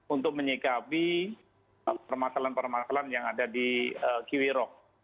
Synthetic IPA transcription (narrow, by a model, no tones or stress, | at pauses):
unt̪ʊk̚məɲikapi | apərmasalanpərmasalanjaŋadadiəkiwiɾɔk̚